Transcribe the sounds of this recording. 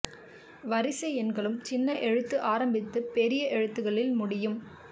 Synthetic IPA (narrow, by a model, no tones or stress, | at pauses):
ʋɐɾɪsɐɪɛnɡɐɭɯmt͡ʃɪnːɐʔɛɻɯt̪ːɯʔaːɾɐmbɪt̪ːɯpɛɾɪjɐʔɛɻɯt̪ːɯɣɐɭɪlmʊɽɪjɯm